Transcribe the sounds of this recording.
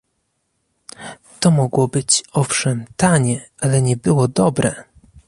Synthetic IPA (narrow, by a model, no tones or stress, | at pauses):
t̪ɔmɔɡwɔbɘt͡ɕɔfʂɛmt̪aɲɛ | alɛɲɛbɘwɔd̪ɔbɾɛ